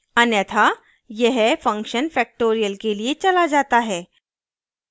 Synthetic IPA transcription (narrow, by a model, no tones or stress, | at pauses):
ənjat̪ʰa | jɛɦefə̃ŋkɕənfɛk̚ʈoɾijəlkeliet͡ɕəlad͡zat̪aɦɛ